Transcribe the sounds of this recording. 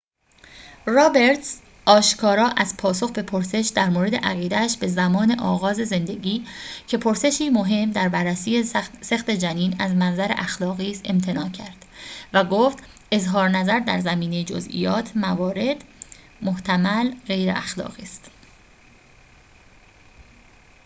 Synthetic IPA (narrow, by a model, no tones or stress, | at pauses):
rɒːbe̞ɾt̪s | ʔɒːʃkʰɒːɾɒːʔæzpʰɒːso̞xbe̞pʰoɾse̞ʃd̪æɾmoːɾe̞d̪e̞̰ʔæɣiːd̪ææʃbe̞zæmɒːne̞ʔɒːɣɒːze̞ze̞nd̪e̞ɟiːcʰe̞pʰo̞ɾse̞ʃiːmo̞ɦe̞md̪æɾbærːæsiːese̞xt̪e̞d͡ʒæniːnæzmænzæɾe̞̰ʔæxlɒːɣiːse̞mt̪ʰe̞nɒːcʰæɾd̪̥væɡoːft̪ | e̞zɦɒːɾnæzæɾd̪æɾzæmiːne̞jed͡ʒo̰zʔḭjɒːt̪ʰmævɒːɾe̞d̪ | mo̞ht̪ʰæmælɣe̞jɾḛʔæxlɒ̰ːɣiːst̪